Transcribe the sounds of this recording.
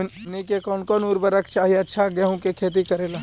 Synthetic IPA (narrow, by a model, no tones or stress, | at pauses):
nik̬ekɔːnkɔnuːɾpəɾɐkʰt͡ʃaːɦieɐtːʃʰaɡeɦũkekʰeːt̪̬ikɐɾeːlaː